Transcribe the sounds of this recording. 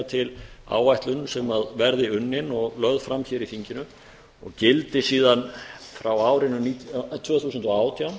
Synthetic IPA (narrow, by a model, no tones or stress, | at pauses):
t̪ʰɪla̰ːwvajht̪lʏnsɛmaðvɛɾðɪʏnːɪnɔɣlœðfɾamçɛːɾiθiɲcɪnʏ | ɔ̰ɣcɪlt̪ɪsiːðanfɾawaːwɾɪnʏnit̪ʰvœːθuːsʏnt̪ɔaːwt̪ʰijawm